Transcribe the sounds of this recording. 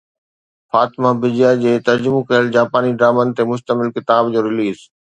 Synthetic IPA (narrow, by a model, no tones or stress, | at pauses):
faːt̪ɪmabɪd͡ʑjad͡ʑeːt̪ɐɾd͡ʑʊmõkɐəld͡ʑaːpaːniɖɾaːmənɪ̆t̪emʊʃt̪əmɪlkɪt̪aːbd͡ʑoːɾɪliːz